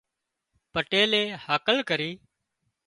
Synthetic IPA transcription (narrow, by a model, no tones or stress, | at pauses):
pəʈeːleːhaːkəlkəɾiː